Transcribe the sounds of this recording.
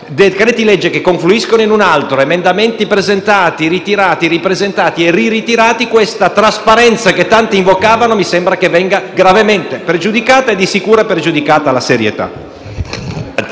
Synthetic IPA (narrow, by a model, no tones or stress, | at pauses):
d̪edkaɾet̪ilɛd͡ʒːekekːoɱfluiskonoinunalt̪ɾoemend̪ament̪ipɾezent̪aːt̪iɾit̪iɾaːt̪iɾipɾezent̪aːt̪ieririt̪iɾaːt̪ikwest̪at̪ɾaspaɾɛnt̪saket̪ːant̪iiɱvokaːvanomisɛmbɾakevːɛŋɡaɡɾavement̪epɾed͡ʒud̪ikaːt̪aed̪ːisikuːɾapɾed͡ʒud̪ikaːt̪alaseɾjḛt̪a̰